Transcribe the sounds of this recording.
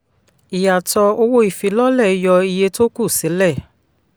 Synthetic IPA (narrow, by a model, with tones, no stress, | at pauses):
i˨ja˨tɔ˧o˧wo˦i˦˨fi˧lɔ˦lɛ˦˨i˧jɔ˧i˧je˧to˦ku˦˨si˨˦lɛ˦˨